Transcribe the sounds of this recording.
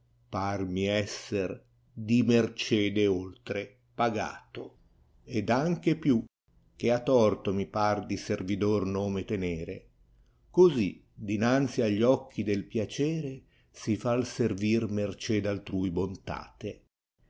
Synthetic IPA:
parmiɛsːer | d̪imert͡ʃɛːd̪eolt̪ɾe | paɡa̰ːt̪o | ed̪aŋk̟epju | k̟eat̪ːɔrt̪omipard̪iservid̪ornoːmet̪enɛːɾḛ | kozi | d̪inant̪siaʎːɔk̟ːid̪elpjat͡ʃɛːɾe | sifalservirmert͡ʃɛːd̪alt̪ɾuːjbont̪a̰ːt̪e

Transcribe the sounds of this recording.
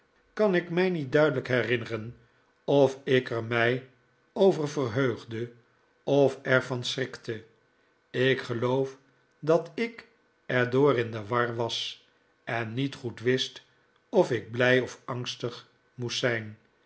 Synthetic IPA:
kɑnɪkmɛjnit̚dœɥdələkɦɛrɪnərən | ɔfɪkəɹmɛj | owvərvərɦøɥχdə | ɔfɛɹvɑnsrɪktə | ɪkχəlowf | dɑtɪk | ɛɹdʊːrɪndəʋɑɹʋɑs | ɛnːitχutʋɪst | ɔfɪɡ̚blɛjɔfɑŋstəχ | mussɛjn

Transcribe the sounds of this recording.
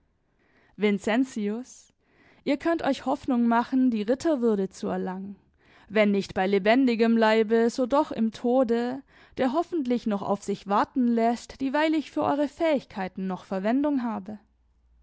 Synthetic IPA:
vɪnt͡sɛnt͡siʊs | ʔiːɐkʰœntʔɔʏçhɔfnʊŋmaχn̩diːʁɪtʰɐvʏɐdət͡suɛɐlaŋən | vɛnːɪçtb̥aɪlebɛndɪɡəmlaɪbəzoːdɔχɪ̰mtʰoːdə | d̥eːɐɦɔfn̩tlɪçnɔχa̰ʊfz̥ɪçv̥aɐtn̩lɛstv̥iːvaɪlɪçfyːɐʔɔ̰ʏʁəfɛːɪçkʰaɪtn̩nɔχfɛɐvɛndʊŋɦaːbə

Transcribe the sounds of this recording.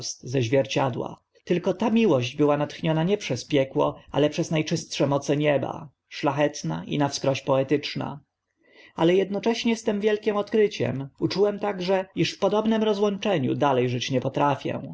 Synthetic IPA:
st̪zɛʑvʲjɛɾt͡ɕad̪wa̰ | t̪ɘlkɔt̪amʲiwɔʑd͡ʑbɘwanat̪xɲɔnaɲɛpʂɛspʲjɛkwɔ̰ʔa̰lɛpʂɛznajt͡ʂɘst̪ʂɛmɔt̪sɛɲɛba̰ | ʂlaxɛt̪na̰ʔḭnafskɾɔɕpɔɛt̪ɘt͡ʂna̰ | alɛjɛd̪nɔt͡ʂɛɕɲɛst̪ɛmvʲjɛlkʲɛmɔt̪kɾɘt͡ɕɛ̰mut͡ʂuwɛmt̪aɡʐɛiʂfpɔd̪ɔbnɛmɾɔzwɔnt͡ʂɛɲṵd̪alɛjʐɘt͡ɕɲɛpɔt̪ɾafʲjɛ̰w̃

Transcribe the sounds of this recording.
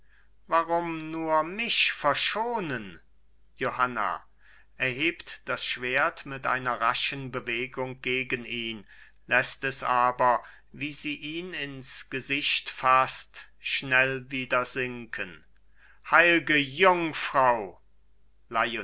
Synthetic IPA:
vaʁʊmnuːɐmɪfɛɐʃoːnən | johana̰ | ʔɛɐɦeːptd̥asʃv̥eːɐtmɪtʔa̰ɪnɐʁaʃənbəveːɡʊŋɡ̥eːɡəniːn | lɛstɛsʔaːbɐ | viːziːʔiːnɪnsɡ̥əzɪçtfast | ʃnɛlviːdɐzɪŋkʰən | haɪlɡəjʊŋfʁ̥aʊ | laɪ

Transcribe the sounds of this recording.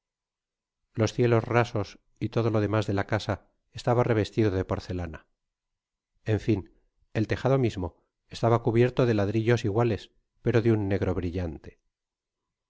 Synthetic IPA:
lo̞sθje̞lo̞zraso̞s | it̪o̞ð̞o̞lo̞ð̞e̞mazðe̞lakasa | est̪aβare̞β̞e̞st̪iðoðe̞po̞ɾθe̞lana | eɱfin | e̞lt̪e̞xaðo̞mizmo̞ | est̪aβakuβje̞ɾt̪o̞ðe̞laðɾiʎo̞siɣwale̞s | pe̞ɾo̞ðeunːe̞ɣɾo̞βɾiʎant̪e̞̥

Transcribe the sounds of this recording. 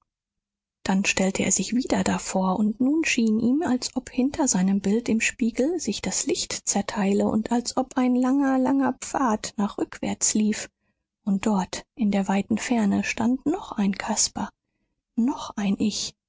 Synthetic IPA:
d̥anʃtɛltʰəḛːɐzɪçv̥iːdɐdafoːɐʊntnuːnʃiːnʔiːmalsʔɔphɪntʰɐzaɪnəmbɪltɪmʃpiːɡl̩zɪçd̥aslɪçtt͡sɛɐtʰaɪləʔʊ̰ntʰalsʔɔpaɪnlaŋɐlaŋɐp͡faːtnaːχʁ̥ʏkv̥ɛ̰ɐt͡sliːf | ʔʊnt̚d̥ɔɐtʔɪndeːɐvaɪtn̩fɛɐnəʃtantnɔχʔaɪnkʰaspɐ | nɔχʔaɪnʔɪç

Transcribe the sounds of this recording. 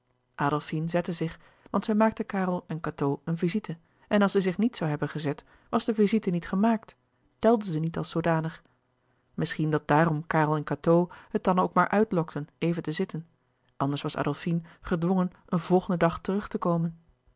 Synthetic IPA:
ʔaːdəlˠfinzɛtəzɪχ | ʋɑntsɛjmaːk̚təkaːrəlˠɛnkatowənvizitə | ʔɛnɑlˠsɛjzɪχnitsawɦɛbənχəzɛt | ʋɑzdəvizitənitχəmaːk̚t | d̥ɛlˠdəzənitɑlˠsodaːnəχ | mɪsχindɑt̚d̥aːrɔmkaːrəlˠɛnkatowhət̚dɑnowkmaːɹʔœɥtlɔktənejvəntəzɪtən | ʔɑndəɹsʋɑsa̰ːdəlˠfinχədʋɔŋənʔənvɔlˠχəndədɑχtərɵχtəkowmən

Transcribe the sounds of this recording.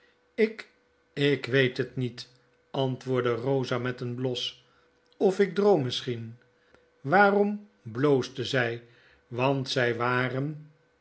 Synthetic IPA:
ɪk | ɪkʋejtɦətnit | ɑntʋʊːɹdərowzamɛtənblɔs | ɔfɪɡ̚drowmːɪsχin | ʋaːrɔm | blowsdəzɛj | ʋɑntsɛjʋaːrən

